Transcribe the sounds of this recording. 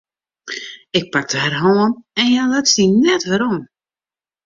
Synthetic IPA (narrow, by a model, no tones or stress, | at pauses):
ɪk̚pak̚dəhɛrɦoːənɛnjɛlɛtsdinɛtʋəɾom